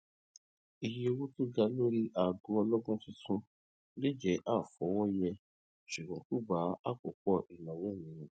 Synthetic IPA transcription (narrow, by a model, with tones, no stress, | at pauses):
i˧ji˧˦o˧wu˦tu˦ɡa˧˦lo˦ɾi˦ʔa˨ɡu˦ɔ˧lɔ˦ɡũ˦ti˧tũ˦ | le˦d͡ʒɛ˨˦ʔa˦˨fɔ˨˦wɔ˦jɛ˧ | ʃu˨ɡ͡bɔ̃˨˦ku˦˨ɡ͡ba˨˦a˦˨k͡po˨˦k͡pɔ˦˨ʔi˨lɔ̃˨wẽ˨˦˨nĩ˨˦jĩ˨